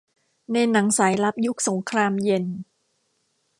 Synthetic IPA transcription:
na˧jna˩˦ŋsaː˩˦jla˦˥p̚ju˦˥k̚so˩˦ŋkʰɾaː˧mje˧n

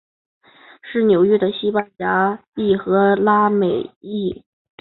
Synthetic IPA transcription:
ʂɻ̩˥˩njo˨˩ʊɥɛ˥d̪ə˨ɕi˥pa˥˩nja˧˥pi˥˩xɤ˧˥la˥me˨˩ɪi˥˩

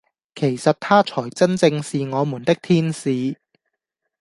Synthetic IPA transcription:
kʰe˨˩jsɐ˨t̚t̪ʰaː˥t͡ʃʰɔː˨˩jt͡sɐ˥nt͡sɪ˧ŋsiː˨ŋɔː˨˧muː˨˩nt̪ɪ˥k̚t̪ʰiː˥nsiː˨˧

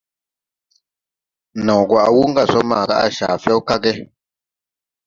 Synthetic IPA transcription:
nɔ̃˨ɡwa˨ʔwu˦ŋ˦ɡa˦˨sɔ˦maː˨ɡa̰˦ʔa̰˦˨ʃa̰ː˨fjɛ˦wka˦ɡɛ˦

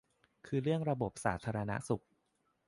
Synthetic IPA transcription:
kʰɯː˧ɾɯ˥˩əŋɾa˧bo˨˩p̚saː˩˦t̪ʰaː˧ɾa˧na̰˦˥su˨˩k̚

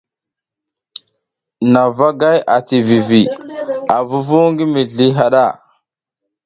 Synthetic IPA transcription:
na˨va˦ɡa˦ja˨ti˨vi˨vi˨a˨vu˦vu˦ŋɡi˦mi˨ɮi˦ɦa˨ɗa˦˨

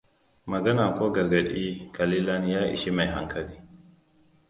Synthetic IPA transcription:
mɐ˨ɡɐ˦na˨koː˦ɡɐ˨ɾɡa˨ɗi˦ka˨li˦la˦njaː˦ʔḭ˨ʃi˦ma˨jɦa̰˨ŋkʰɐ˨liː˦

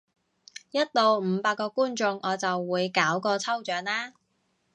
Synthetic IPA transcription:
jɐ˥t̚lo˨wm̩ː˨˧paː˧kːɔː˧kuː˥nt͡sʊ˧ŋʔɔː˨˧t͡sɐ˨wːuː˨˧jkaː˨˥wkɔː˧t͡sʰɐ˥wt͡ʃœː˨˧˥ŋlaː˥

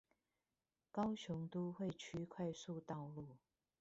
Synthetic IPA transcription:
kɑ˥ʊɕjʊ˨˥ŋt̪u˥xwe˥˨ɪt͡ɕʰy˥kʰwa˥˧ɪsu˥˧t̪ɑ˥˧ʊlu˥˨˩

